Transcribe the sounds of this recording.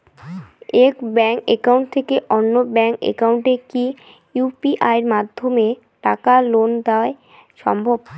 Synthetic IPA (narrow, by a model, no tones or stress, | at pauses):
ekbɛŋkḛkauɳʈ̚t̪ʰekeʔɔnːobɛŋkḛkawɳʈeki | jupiʔaeɾmad̪ʱːome | ʈakalond̪ae | ʃɔ̰mbʱob